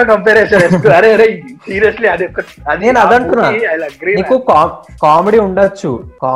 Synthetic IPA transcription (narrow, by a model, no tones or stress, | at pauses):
ɐʈɐmpeɾesɐɾeʈuɐɾeɐɾesiːɾjɐsliɐd̪ɔkːɐ | ɐd̪eːnɐd̪ɐɳt̪unːajɐɡɾiniːkukaːkaːmeɽiːuɳɖɐt͡ʃːṵkaː